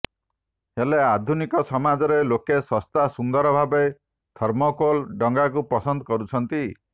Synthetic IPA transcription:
helead̪ʱunikɔsɔmad͡ʒɔɾelokesɔst̪asund̪ɔɾɔbʱabe | d̪ʰʱɔɾmɔkolɖɔŋɡakupɔsɔnd̪ɔkɔɾut͡ʃʰɔnt̪i

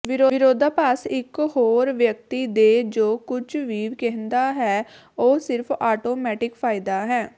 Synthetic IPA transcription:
ʋɪɾoːɪɾoːd̪aːpaːsɪkhoːɾʋjək̚t̪iːd̪eːd͡ʒoːkʊt͡ʃʰʋiːʋkɛɦənd̪aːɦɛː | oːsɪɾpʰaːʈoːmɛːʈɪkpʰaːɪd̪aːɦɛː

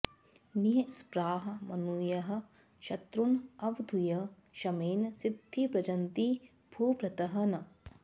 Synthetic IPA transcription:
niɐspɾaːɦɐ̆mɐnuːjɐɦɐ̆ | ʃɐt̪ɾunɐʋd̪ʱujɐ | ʃɐmeːnsid̪ʱːipɾɐd͡ʒɐnt̪i | b̥ʱuːpɾɐt̪ɐɦɐnɐ

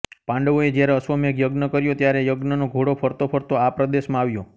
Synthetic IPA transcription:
pãɳɖəʋoed͡ʒjaɾeəsʋəmekjəɡnəkəɾjot̪jaɾejəɡnənoɡʱoɽopʰəɾt̪opʰəɾt̪oapɾəd̪eʃmãaʋjo

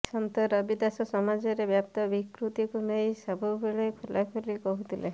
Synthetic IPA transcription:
sɔmt̪ɔɾɔbid̪asɔsɔmad͡ʒɔɾebjap̚t̪ɔbikɾut̪ikuneĩsɔbʱɔbeɭekʰulakʰɔɾikɔɦut̪ʰile

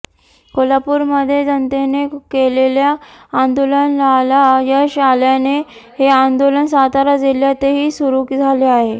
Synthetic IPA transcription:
kolapuːɾməd̪ʱːjed͡zənt̪enekeleljaːnd̪olənlalajaɕaljane | ɦeand̪olənsat̪aɾad͡ziljat̪eɦiːsuɾukd͡zʱaleaɦe

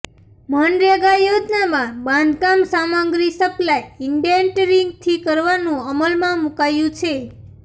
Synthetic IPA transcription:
mənɾeɡajod͡ʒnamãbãnd̪kamsamaɡɾisəplajɪɳɖeɳʈɾiŋɡ̚t̪ʰikəɾʋanũəməlmãmukajũt͡ʃʰe

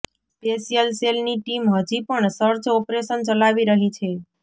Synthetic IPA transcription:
spesijəlselniʈimɦəd͡ʒipəɳsəɾt͡ʃɔpɾeʃənt͡ʃəlaʋiɾəɦit͡ʃʰe

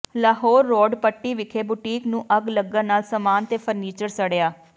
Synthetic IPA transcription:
laːɦɔːɾːɔːɖpəʈːiːʋɪkʰeːbuːʈiːknũːʔəɡləɡːanaːlsəmaːnt̪eːpʰəɾniːt͡ʃəɽsəɽejaː

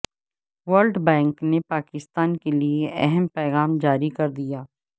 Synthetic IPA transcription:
ʋəɾlɖbɛ̃ːŋknepaːkɪst̪aːnkelieʔɛɦɛmpɛːɣaːmd͡ʒaːɾikɐɾd̪ijaː

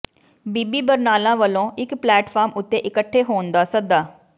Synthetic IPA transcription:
biːbiːbəɾnaːlãːʋəlõːʔɪkplɛːʈfʰaːɾmʊt̪ːeːʔɪkəʈʰːeːɦoːnd̪aːsəd̪aː

